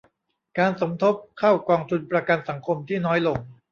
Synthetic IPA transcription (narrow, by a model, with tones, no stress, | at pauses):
kaː˧nso˩˦mt̪ʰo˦˥p̚kʰa˥˩wkɔː˧ŋt̪ʰu˧npɾa˧ka˧nsa˩˦ŋkʰo˧mt̪ʰiː˥˩nɔː˦˥jlo˧ŋ